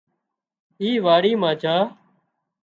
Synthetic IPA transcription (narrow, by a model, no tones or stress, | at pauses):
iːʋaːɽiːmãːd͡ʒaː